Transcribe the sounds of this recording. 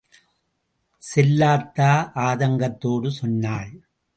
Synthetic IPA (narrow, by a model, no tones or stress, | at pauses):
sɛlːaːt̪ːaːʔaːðɐŋɡɐt̪ːoːɽɯsɔnːaːɭ